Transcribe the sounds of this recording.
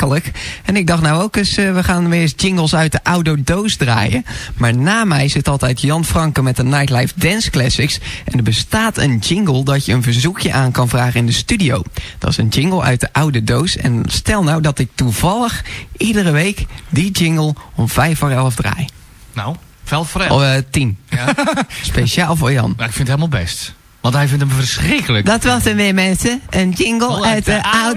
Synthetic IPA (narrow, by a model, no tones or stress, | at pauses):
ələkɛnɪɡ̚dɑχtnawowkəsʋəχaːnəʋɪsd͡ʒɪŋɡəlˠsœɥt̚dəʔawdodowsdra̰ːjə̰maːɹnaːmɛjsɪtɑlˠtɛjtjɑnfrɑŋkəmɛtənajtlajfdɛnsklɛsɪksʔɛndəɹbəstaːtʰənd͡ʒɪŋɡəlˠdɔtjəənvəɹzukjəʔaːnkɑnvraːχənɪndəstydijowd̥ɔ̰sənd͡ʒɪŋɡəl̩ˠœ̰ɥt̚dəʔawdədowsɛ̰nstɛlˠnawdɔtɪk̚tuv̥ɑlˠəxʔidərəʋeːkdid͡ʒɪŋɡəlˠɔmvɛjforɛlˠəfdrɛ̰j | naw | fɛlˠftin | spejʃaːlˠvojɑ̰nɪkfɪnthelˠmalˠbɛst | ʋɑ̃nthɛjvɪntəmfərsrɪkələdɔtʋɔstəʋɪmɛnsəənd͡ʒɪŋɡəlˠœɥtəaw